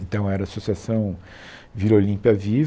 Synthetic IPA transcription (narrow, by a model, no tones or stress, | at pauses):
ẽnt̪ɐ̃w̃ɛɾaːsosiasɐ̃w̃ | viɾolĩpiɐviv